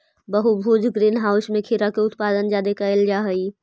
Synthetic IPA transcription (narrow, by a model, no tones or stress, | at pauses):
bəɦubʱuːd͡ʒɡɾiːnɦaːʊsmẽkʰiɾakeʊt̪paːd̪ənd͡ʒaːd̪ekəɪld͡ʒaɦəi